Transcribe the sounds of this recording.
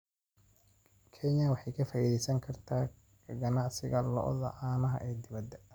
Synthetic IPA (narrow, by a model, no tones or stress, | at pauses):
kʰɛɲɐwɑħɑjkʰɐfaːʔiðɛjsɐŋkʰɐrt̪ʰaː | ɡɐnaʕsɪɣɐlɔ̰ʔðɐ̰ʔaːnɐɦɐ̰ʔɛːd̪ɪβɐd̪ɛ